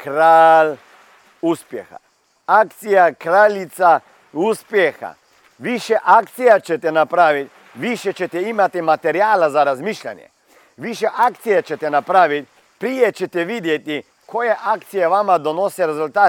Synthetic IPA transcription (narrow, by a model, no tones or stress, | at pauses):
kɾaːl | uspjḛxa̰ | ak̚t̪sijakɾalit̪sa | uspjexa̰ | ʋiʃɛʔak̚t̪sijat͡ʃɛt̪ɛnapɾaːʋit̪ʲ | ʋiʃɛt͡ʃɛt̪ɛimat̪imat̪eɾijaːlazaɾazmiʃʎʲa̰njɛ̰ | ʋiʃɛʔak̚t̪sijat͡ʃɛt̪ɛnapɾaːʋit̪̚ʲ | pɾijet͡ʃɛt̪ɛʋid̪jet̪i | kʰojeʔakt̪sijeʋamad̪onosɛɾezulʲt̪aː